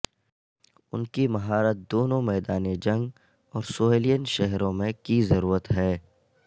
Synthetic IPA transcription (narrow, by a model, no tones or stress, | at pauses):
ʊ̰nkimɐɦaːɾət̪̚d̪oːnõmɛːd̪aːned͡ʒɐ̃ŋɡ | ɔːɾsoːeːlijənʃɛɦɾõmẽkizɐɾuːɾət̪ɦɛː